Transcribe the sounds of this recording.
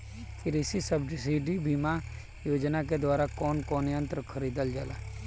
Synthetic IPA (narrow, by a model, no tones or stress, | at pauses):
kɪɾisisəbɖsiɖibima | joːd͡ʒnak̬ed̪waːɾakɔːnkɔːneə̃nt̪ɾəkʰəɾiːd̪əld͡ʒala̰ː